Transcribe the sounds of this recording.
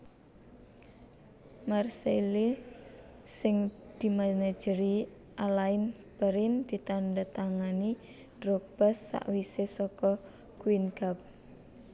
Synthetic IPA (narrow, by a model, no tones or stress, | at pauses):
marseli | sɪŋd̪̥i̤manḁd͡ʒ̥əɾi | ʔalaɪn | b̥əɾɪnd̪̥i̤t̪andat̪aŋani | d̥rɔk̚b̥asːa̰ʔwisesɔkɔ | kuwinɡ̥ap̚